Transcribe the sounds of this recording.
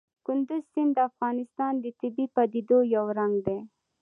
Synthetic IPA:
kʊnd̪ʊzsɪnd̪d̪əafɣɑnɪst̪ɑnd̪ət̪ɪbipɑd̪id̪ojawɾaŋɡd̪e

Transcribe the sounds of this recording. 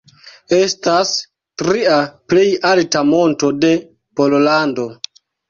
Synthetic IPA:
e̞stas | tɾiaple̞jaltamo̞nto̞de̞ | po̞llando̞

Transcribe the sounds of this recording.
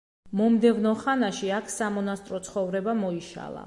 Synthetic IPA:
mɔmd̪ɛvnɔχanaʃiakʰsamɔnast̪ʼɾɔt̪sʰχɔvɾɛbamɔiʃa̰lˠa̰

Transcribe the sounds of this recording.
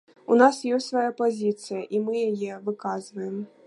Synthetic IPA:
unasjɔsʲtʲsvajapazʲit̪sɨjɐʔimɨjajɛvɨkazvɐjɛm

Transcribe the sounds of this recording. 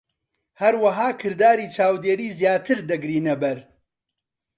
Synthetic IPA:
hɐɾwɐɦaːkʰɨɾd̪aːɾiːt͡ʃʰaːwd̪eːɾiːzjaːt̪ʰɨɾd̪ɐɡɾiːnɐbɐɾ

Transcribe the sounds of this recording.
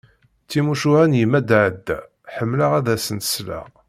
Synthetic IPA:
t͡sːimuʃuhænjimːæd̪ʕəd̪ːæ̰ | ħəmːləʁæðæsənt̪ə̥slæ̰

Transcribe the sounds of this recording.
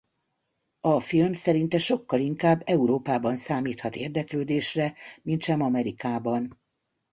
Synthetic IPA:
ɒfilmsɛɾint̪ɛʃo̞kːɒliŋkaːbːɛuɾoːpaːbɒnsaːmiːt̪hɒt̪eːrd̪ɛkløːd̪eːʃrɛmint̪ʃɛmɒmɛɾikaːbɒn

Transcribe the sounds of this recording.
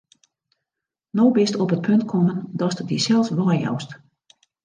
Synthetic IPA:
nowbɪstɔpət̚pʰøntkʰɔməndɔstədisɛlˠfsʋɔjjɔ̰wst

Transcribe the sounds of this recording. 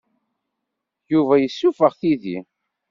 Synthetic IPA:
juvæjəsːufəʁθiðḭ

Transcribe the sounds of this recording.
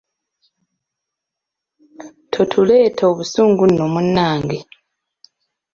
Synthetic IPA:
tʰo̞tʰuleːtʰoβusuːŋɡunːomunːaːŋɡe

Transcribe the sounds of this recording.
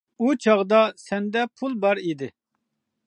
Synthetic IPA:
ut͡ʃʰɑʁd̪ɑsɛnd̪ɛpʰulˠbɑɾid̪ɪ

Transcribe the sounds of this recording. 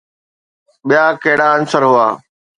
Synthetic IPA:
ɓijaːkeːɽaːənsəɾɦʊaː

